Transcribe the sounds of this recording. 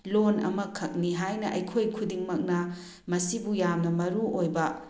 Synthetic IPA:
lonɐ̰mɐkʰɐk̚niɦajnɐʔɐ̰jkʰojkʰudiŋmɐk̚nɐ | mɐsibujamnɐmɐɾuojbɐ

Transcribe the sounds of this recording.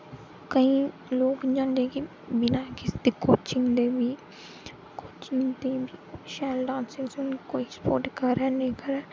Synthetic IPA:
kəĩː | loːkd͡ʒãːnd̪eːki | bɪnaːkɪsd̪iːkoːt͡ʃɪ̃ŋɡd̪eːbiː | koːt͡ʃɪŋt̪eːbiːʃɛːlɖãːnsɪŋɡsʊnkoːiːspo̰ːɾʈkəɾɛːnẽːkəɾɛː

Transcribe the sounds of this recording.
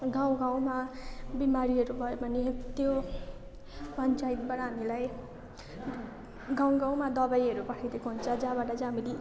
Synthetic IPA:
ɡaw̃ɡaw̃mabimaɾiɦʌɾubʱʌjobʱʌnet̪jo | pʌnt͡sajt̪̚baʈʌɦamilaj | ɡãw̃ɡãw̃mad̪ʌbajɦʌɾupʌʈʰad̪ekoɦunt͡sʰʌd͡zãbaʈʌd͡zamili

